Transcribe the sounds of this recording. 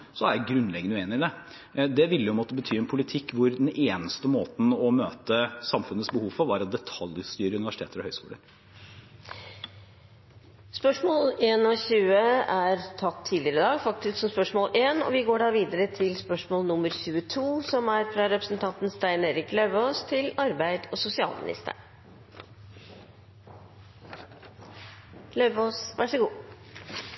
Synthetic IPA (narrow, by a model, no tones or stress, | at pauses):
sɔæjɡɾʉnlɛɡənʉːeːnɪŋd̪ɛ | d̪ɛʋɪlːəjʊmɑt̪ːəbət̪ʰyːɛnpʰʊlɪt̪ʰɪkːʋʊɾd̪ɛneːnəst̪əmoːt̪n̩ɔmøːt̪əsɑmfʉnət̪sbəhuːʋfɔɾʋɑɾɑt̪̚d̪ɛt̪ʰɑljst̪yːɾəʉnɪʋæʂɪt̪ʰeːt̪əɾɔhœʏskuːlə̰ɾ | spœʂmoːleːnɔɕʉːəæɾt̪ʰɑt̪ʰːiːd̪lɪəɾəd̪ɑːɡfɑkt̪ɪsksɔmspœʂmoːlʔeːnɔ̰ʋɪɡoːɖɑːʋiːd̪əɾət̪ʰɪlspœʂmoːlnʊmːəɾçʉːət̪ʰuːsɔmæɾfɾɑɾɛpɾəsnt̪ʰɑnt̪n̩st̪æɪneːɾɪklœʏʋoːst̪ʰɪlɑɾbæɪd̪ɔsʊsɪɑ̰ːlmɪ̰nɪ̰st̪ʰə̰ | lœʏʋosʋæʂəɡuː